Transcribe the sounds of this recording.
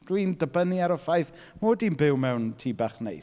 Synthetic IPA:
d̥windəbəniaɾɔfajθ | moːdinbɪwmɛwntʰiːbaχnḛj

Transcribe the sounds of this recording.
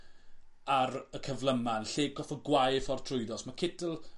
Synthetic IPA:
aɾəkʰəvlˠəmanɬeːɡɔθɔɡwajfɔrtʰrʊjdɔsmakʰɪdəlˠ

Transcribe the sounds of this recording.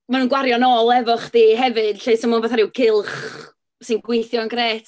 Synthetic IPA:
manuːnɡwaɾjɔnɔlˠɛvɔχd̥iːɦɛvɨd̥ɬejsɔmanboːθaɾɪwkʰɪlˠχ | sɨnɡwɪjθjɔnɡreːtʰ

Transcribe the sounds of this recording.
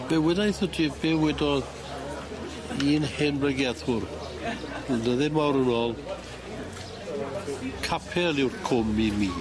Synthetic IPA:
mɛwɛdajθɔdʰibɛwɛdɔ | iːnhɪnbrɛɡjɛðʊr | dəðɪmawɾənoːlˠ | kʰapʰɛlɪwrkʰʊmimiː

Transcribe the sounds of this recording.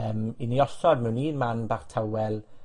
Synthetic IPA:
əːminiɔsɔdmɛwniːnmanbaːχtʰawɛlˠ

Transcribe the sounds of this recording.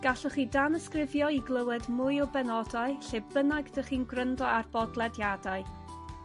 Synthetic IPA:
ɡ̥aɬɔχiːdanəskrɪvjɔiɡlˠəwɛdmʊjɔbɛnɔdaɨɬebbənaɡdəχiːnɡrəndɔarbɔdlˠɛdjadaɨ

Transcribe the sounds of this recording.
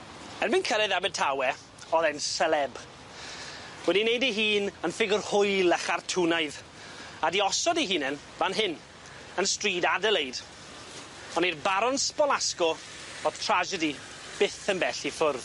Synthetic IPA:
ɛrminkʰəɾɛðabɛd̚tʰawɛ | ɔðɛnsəlɛb | wɛdinejdiɦiːnənfɪɡʊrhʊjlˠɛχartʰunaɨð | adiɔsɔdiɦiːnɛn | vanɦɪn | ənstriːdadəlˠejd̥ | ɔnirbaɾɔnsbɔlˠaskɔ | ɔð̥tʰr̥ad͡ʒədi | b̥ɪθənbɛɬifʊrð

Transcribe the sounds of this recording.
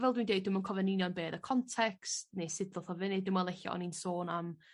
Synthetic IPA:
vɛlˠdwindejdɪmənkʰɔvɛninjɔnbeːðəkʰɔntʰɛkstneːsɪdɔθɔvɪnɪdɪmɔlˠɛɬa̰ʔɔ̰ninsoːnam

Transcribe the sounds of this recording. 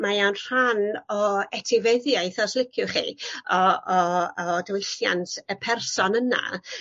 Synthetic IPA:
majawnr̥anɔɛtʰɪvəðjaɨjθɔslˠɪkʰjʊχḭːɔɔɔdəwɪɬja̰ntʰəpʰɛrsɔnəna̰

